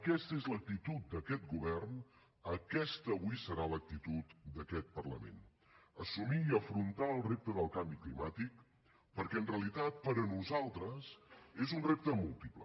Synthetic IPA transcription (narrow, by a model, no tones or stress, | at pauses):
əkɛst̪əezlək̚t̪it̪ut̪̚d̪əkɛt̪̚ɡuβɛrn | əkɛst̪əːβuisəɾalək̚t̪it̪ut̪d̪əkɛt̪̚pərlə̰mḛn | əsumiːəfɾunt̪aəlˠrep̚t̪əðəlˠkambiklimat̪ik̚ | pəɾkɛənreəlit̪at̪̚pəɾənuzalˠt̪ɾəsezunrep̚t̪əmulˠt̪iplə